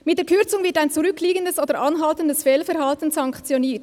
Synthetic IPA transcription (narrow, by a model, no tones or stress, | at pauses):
mɪtd̥eːkʰʏɐt͡sʊŋvɪʁtaɪnt͡suʁʏkʰliːɡəndəsoːdəɾʔɑnɦɑltəndəsfɛlfɛʁhɑltən̩sɑŋkt͡sjoniːɐt